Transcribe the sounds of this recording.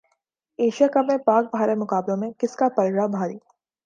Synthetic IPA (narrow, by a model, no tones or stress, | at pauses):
eːʃijakɐbẽpaːk̚bʱaːɾemʊkaːblõmẽkɪskapɐɾɽabʱaːɾiː